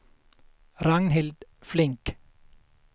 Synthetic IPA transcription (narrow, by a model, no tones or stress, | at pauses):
ɾɑŋnhɪld̪flɪŋk